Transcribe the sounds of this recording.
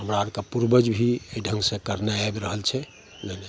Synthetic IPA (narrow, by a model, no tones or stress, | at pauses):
ɦəmɾaəbkepuɾbəd͡ʒbʱiəiɖʱəŋɡsẽkəɾnaabɾəɦəlt͡ʃʰɛ | lene